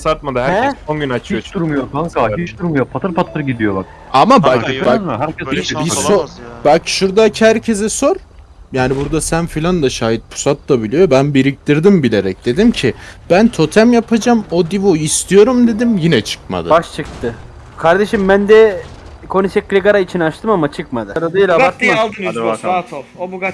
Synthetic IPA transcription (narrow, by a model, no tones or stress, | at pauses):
saɾt̪̚mad̪aɦæɾɛonɟynat͡ʃʰɯjot͡ʃd̪uɾmujok̪ʰaŋkait͡ʃd̪uɾmujopʰat̪ʰɯɾpʰat̪ˠɯɾɟid̪ijo̞bak̚ | amababaɦæɾʰɛsbisobalcʃuɾd̪acʰhæɾcʰe̞zɛso̞ɾ | jaːnibuɾd̪asænfilʲand̪aʃaːɦit̪̚pʰu̥sat̪lˠabilʲijo̞bænbiɾic̚t̪iɾd̪imbilʲe̞ɾɛc̚d̪̥e̞d̪imcʰib̥ænt̪ʰo̞t̪ʰæmjapʰad͡ʒamod̪ivuist̪ʰijo̞ɾumd̪e̞d̪imjinɛt͡ʃʰɯ̥k̚ma̰d̪ɯbaʃt͡ʃʰɯk̚t̪ʰɯ | kʰaɾd̪e̞ʃimbænd̪ɛ | kʰo̞nisɛklʲiɡaɾait͡ʃʰinat͡ʃt̪ʰɯmamat͡ʃʰɯk̚mad̪ɯɾad̪ajilʲaat̪mad̪